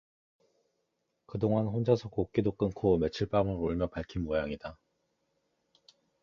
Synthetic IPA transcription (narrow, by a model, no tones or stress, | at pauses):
kɯdoŋanɸond͡ʑasʰʌk͈ok͈idok͈ɯŋkʰome̞t͡ɕʰɯɭp͈amɯɾoɭmjʌpaɭkʰinmojaŋida